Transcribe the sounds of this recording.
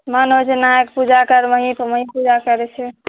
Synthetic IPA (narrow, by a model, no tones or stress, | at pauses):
mənɦot͡ʃʰɛnajəkpud͡ʒakəɾməɦĩpməɦĩpud͡ʒakəɾɛt͡ʃʰɛ